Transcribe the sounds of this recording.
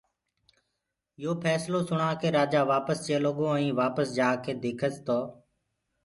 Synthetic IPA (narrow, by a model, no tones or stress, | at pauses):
ɪjoːpʰɛːsloːsʊɳãːkeːɾaːd͡ʒaːʋaːpəst͡ʃeːloːɠõːə̃ĩːʋaːpəsd͡ʒaːkʰeːd̪eːkʰəst̪oː